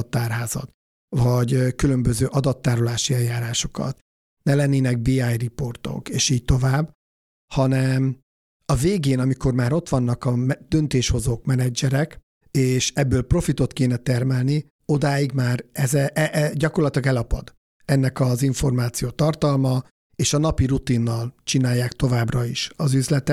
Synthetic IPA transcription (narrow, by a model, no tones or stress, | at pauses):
t̪ːaːrɦaːzɒ̰t̪ | vɒɟkylø̞mbøzøːʔɒd̪ɒt̪ːaːɾolaːʃiɛljaːɾaːʃo̞̥kɒ̰t̪ | nɛlɛnːeːnɛɡ̚biajripo̞rt̪o̞̰keːʃiːc̚t̪o̞vaːbː | hɒnɛm | ɒveːɡeːnɒmiko̞rmaːɾo̞t̪ʋɒnːɒkɒmd̪̥ønt̪eːʃho̞zoːkmɛnɛd͡ʒɛɾɛk | eːʃɛbːøːlpro̞fit̪o̞t̪keːnɛt̪ɛrmɛlni | o̞d̪aːjiɡmaːɾɛzɛʔɟɒkorlɒt̪ilɒɡɛlɒpɒ̰d̪ | ɛnːɛkɒziɱfo̞rmaːt̪sijoːt̪ɒrt̪ɒlmɒ | eːʃɒnɒpirut̪inːɒlt͡ʃinaːjːaːkt̪o̞vaːbrɒiʃɒzyzlɛt̪ɛ